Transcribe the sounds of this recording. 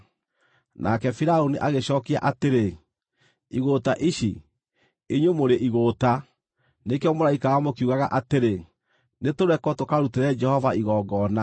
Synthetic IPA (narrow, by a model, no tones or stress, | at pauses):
nʔa̰kɛfiɾaoniʔaɣeɕɔːkia̰ʔateɾe | iɣotaʔiɕi | eɲwemoɾeʔiɣoːta | nekeɔmoɾaikawamokiuɣaɣaʔateɾe | netoɾɛkɔtokaɾuteɾɛd͡ʒɛhɔvaiɣɔːɡɔna